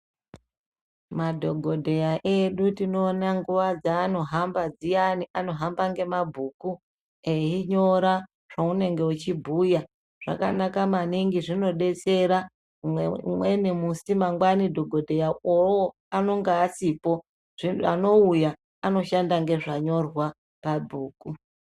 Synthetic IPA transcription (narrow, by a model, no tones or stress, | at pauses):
madʱo̞ɡʱo̞dʱe̞jaʔeɗutino̞ːnaŋɡuʋad͡zaːno̞ɦambad͡zijaniʔano̞ɦambaŋɡe̞mabʱuːku | eɦiɲo̞ɾa | ʐ̥aune̞ŋɡe̞ut͡ʃibʱuːja | ʐ̥a̰ka̰nakamaniŋɡiʐino̞ɗe̞t͡se̞ɾa | mwenimusimaŋɡwanidʱoɡʱo̞dʱejaowo | ano̞ŋɡaːsipo̞ | ʐiano̞uja | ano̞ʃandaŋɡe̞ʐaɲo̞rwa | pabʱuːku